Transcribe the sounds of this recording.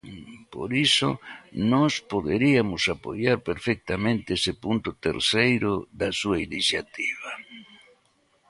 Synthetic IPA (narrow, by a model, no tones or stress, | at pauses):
po̰ɾisʊ̰nɔspoðeɾiamʊsapo̰jaɾpeɾfek̚t̪amẽnt̪ɪesepunt̪ʊt̪ḛɾsejɾʊðasuainisjat̪iβa